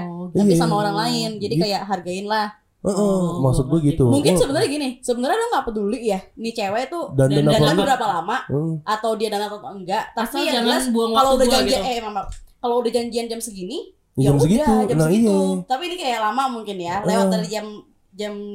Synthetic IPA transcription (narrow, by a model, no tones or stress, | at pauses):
tajisamaoɾaŋlaɪnd͡ʒadikajaʔɦarɡaɪnlah | əʔəmasʊt̪k̚ɡaɡit̪umuŋkɪnsəbənaɾrɲaɡinɪsəbənarɲadʊŋkapədulɪʔjanit͡ʃewɛt̪udanandanbəɾapalamaʔəʔat̪awdiadanat̪at̪aəŋɡaʔt̪asialasukaloudad͡ʒaɲiaɛmamakaloudahd͡ʒaɲd͡ʒiand͡ʒamsəɡini | d͡ʒamsəɡidat̪ud͡ʒanaijat̪apiːnikajaʔlamamuŋkɪnjalewaərd͡ʒam | d͡ʒam